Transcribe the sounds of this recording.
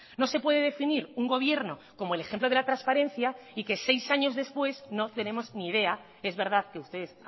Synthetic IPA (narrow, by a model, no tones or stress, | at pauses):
no̞se̞pwe̞ðe̞ðe̞finiɾuŋɡo̞β̞je̞ɾno̞ko̞moelexemploðelat̪ɾaspaɾe̞n̟θjaike̞se̞jsaɲo̞zðe̞spwe̞sno̞t̪e̞nẽ̞mo̞zniðe̞a | e̞zβe̞ɾðaðke̞ust̪e̞ðes